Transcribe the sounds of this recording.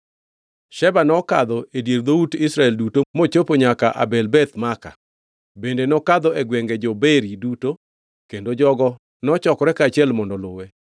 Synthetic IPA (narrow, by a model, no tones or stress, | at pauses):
ʃɛbanɔkad̪ɔʔedjeɾd̪outɪsɾaɛldutomot͡ʃopoɲakaʔa̰bɛlbɛt̪maka̰ | bendenɔkad̪ɔeɡwɛŋɡed͡ʒobeɾiduto | kendod͡ʒɔɡɔ | nɔt͡ʃɔkɔɾɛkat͡ʃiɛlmɔndɔlʊwe